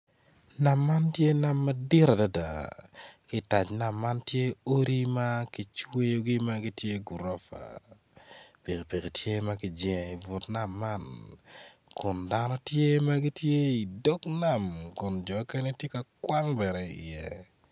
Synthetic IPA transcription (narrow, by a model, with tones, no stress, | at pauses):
na˨mːa˦ntje˦na˨mːɐ˦di˦ɾa˨da˦da˨ | kɪ˦ta˨t͡ʃna˨mːa˦ntje˦o˦ɾi˦ma˦ki˨t͡ʃwe˦jo˦ɡi˦ma˦ɡi˦tje˦ɡu˨ɾɔ˦fa̰˨ | pe˨ke˨pe˨ke˨tʰje˦ma˦kɪ˨d͡ʒɛŋ˨i˨vʊ˨tna˨mːa˦n | kʊ˨nda˦nɔ˦tje˦ma˦ɡi˦tje˦i˨do˦kna˨mkʊ˨nd͡ʒɔ˨˦kɛ˦ne˦tje˦ka˨kwa˦ŋbɛ˨ɾɛ˨ḭjɛ˦